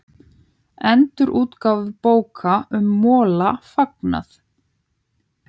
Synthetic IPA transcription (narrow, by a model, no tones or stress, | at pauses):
ɛnt̪ʏɾʔuːt̪kaːwvɪpoːwkʰaʏmːɔːlafakna̰θ